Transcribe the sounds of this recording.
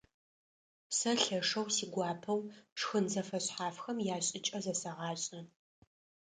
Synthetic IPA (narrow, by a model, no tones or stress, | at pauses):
sɐɬɐʂɐwsiːɡʷɑːpʰɐwʈ͡ʂxɨnzɐfɐɕħaːfxɐmjaːɕʼɪt͡ʃʼɐzɐsɐʁɑːɕʼnɐ